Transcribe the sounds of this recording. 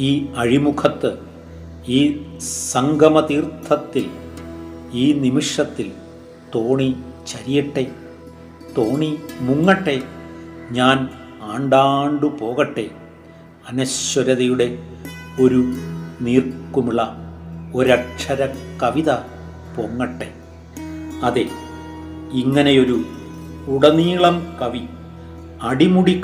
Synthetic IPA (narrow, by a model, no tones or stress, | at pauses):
iːɐɻimukʰɐt̪ːɨ | iːsɐŋɡʱɐmɐt̪iːrt̪ʰːɐt̪ːil | iːnimiʂɐt̪ːil | t̪o̞ːɳit͡ɕɐɾijɐʈːe̞ | t̪o̞ːɳimuŋːɐʈːe̞ɲaːn | aːɳɖaːɳɖɨpo̞ːɣɐʈːe̞ | ɐnɐɕːɐɾɐðɐjuɽe̞o̞ɾuniːrkːumiɭɐoɾɐkʂʰɐɾɐkɐʋiðɐ | poŋːɐʈːe̞ | ɐðe | iŋːɐne̞jo̞ɾu | uɽɐniːɭɐmkɐʋi | ɐɽimuɽikː